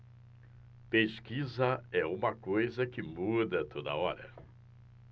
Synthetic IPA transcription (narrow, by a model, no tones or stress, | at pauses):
peskizɐɛũmɐkojzɐkɪmud̪ɐt̪ʰod̪ɐ̰ɔɾɐ̰